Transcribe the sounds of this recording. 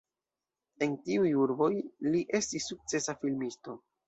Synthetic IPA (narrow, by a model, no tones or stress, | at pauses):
e̞ntiujuɾbo̞jliʔe̞stisːuk̚t͡se̞safilmisto̞